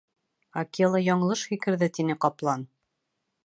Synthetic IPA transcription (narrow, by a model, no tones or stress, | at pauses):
akelˠɑjɒɴɤ̆lˠɤʃxikɘ̆ɾðɘt̪inɘqɑplˠɑn